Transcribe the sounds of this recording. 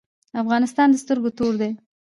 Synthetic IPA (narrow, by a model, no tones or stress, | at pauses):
afɣɑnɪst̪ɑnd̪əst̪əɾɡot̪oɾd̪e